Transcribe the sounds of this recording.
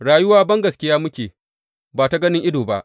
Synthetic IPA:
ɽaː˨jʊ˦waː˦bɐ˦ŋɡɐ˨skʲɪ˦jaː˦mʊ˦kʲeː˨ | baː˨ta˦ɡɐ˦nɪ˦ŋʔɪ˦doː˨ba̰˦ʔ

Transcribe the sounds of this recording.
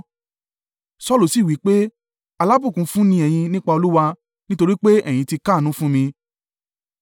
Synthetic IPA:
sɔ˦lu˨si˦˨wi˨˦k͡pe˦ | a˨˧la˦bũ˦˨kũ˧˦fũ˦nĩ˧ɛ˨j̃ĩ˧nĩ˦k͡pa˧o˧lu˦wa˧ | nĩ˦to˧ɾi˦k͡pe˦ɛ˦˨j̃ĩ˧ti˧ka˦˨nũ˦fũ˦mĩ˧

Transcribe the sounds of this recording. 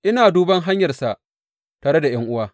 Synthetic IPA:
ʔɪ˦naː˨duː˦bɐ˦ŋɦa˦ɲjɐ˨rsa˨ʔ | taː˨ɽe˦da˨j̰ɐ˦ŋʔʊ˦waː˦

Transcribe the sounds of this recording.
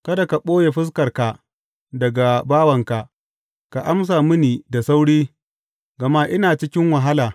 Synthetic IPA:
kɐ˦da˨ka˨ɓʼoː˦je˨ɸɪ˦s̬kɐ˨rka˨ | dɐ˨ɡa˨baː˦wɐ˨ŋka˨ʔ | ka˨ʔa˦ms̬aː˨mɪ˦niː˨da˨sa˦wɽiː˦ | ɡɐ˨ma˦ʔɪ˦naː˨t͡ʃɪ˦kʲɪ˦ŋwa˨ɦa˦laː˨

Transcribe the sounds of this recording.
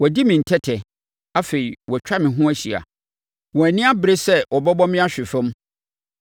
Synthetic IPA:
wɔ˨di˦mɪ̃˨n̩˨tʰɛ˦tʰɛ˨ | a˦fe˨i˨wɔ˨t͡ɕᶣa˦mɪ̃˨ɦʊ̃˦æ˦ɕi˨a̰˨ | wɔ̃˨æ˨nĩ˦a˦bɪ˨ɾe˦sɛ˦ʔɔ˨bɔ˦bɔ˦mɪ̃˦a˦ɕᶣɪ˨fɛ̃˦m˦

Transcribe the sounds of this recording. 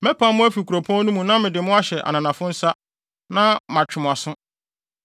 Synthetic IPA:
mɛ˦pʰã˦mʊ̃˦æ˦fi˨kʰu˨ɾo˨pʰɔ̃˦nũ˦mũ˨nã˦mɪ̃˨dɪ˨mʊ̃˦a˦ɕɛ˨ʔa̰˨nã˨nã˨fʊ̃˦n̩˦sa˦ | nã˦mã˨t͡ɕᶣɪ˨mʊ̃˨a˨sʊ̃˦

